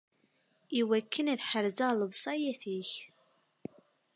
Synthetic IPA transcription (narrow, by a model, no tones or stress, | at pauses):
iwækːənæðħəɾzaləvsˤɑjæθiç